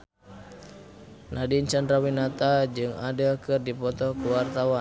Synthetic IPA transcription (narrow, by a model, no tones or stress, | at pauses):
nadint͡ʃandrawinat̪ad͡ʒɨŋadəkɨrdipɔt̪ɔkuwart̪awa